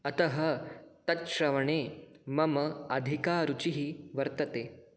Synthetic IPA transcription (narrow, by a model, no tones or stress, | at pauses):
ɐt̪ɐɦɐt̪ɐt̪ʃɾɐʋɐɳ̃eːmɐmɐɐd̪ʱikaːɾut͡ɕiɦiʋɐɾt̪ɐt̪eː